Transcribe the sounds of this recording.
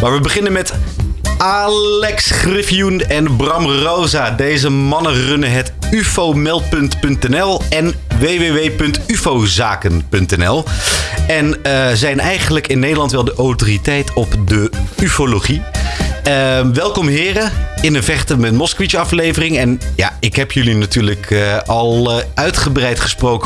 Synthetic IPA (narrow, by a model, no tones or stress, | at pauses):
maːɹʋəbəχɪnənmɛt | aːllɛksχrɪfiunɛnbrɑmrowzaːdejzəmɑnərɵnəɦɛtyfomɛlˠt̚pɵntpɵntɛnɛlˠɛn | ʋeːʋeːʋejpɵntyfozaːkənpɵntɛnɛlˠ | ɛnəzɛjnɛjχənələkɪnːejdəlɑntʋɛlˠdəʔowtoːritɛjtɔpdəyfoloχi | əʋɛlˠkɔmɦɪːrəɪnəvɛχtəmɛtmɔskəʋitəɑflejvərɪŋɛnja̰ːɪkɦɛpjɵlinatyːɹləkʰɑlˠœɥtχəbrɛjtχə̥sprowkə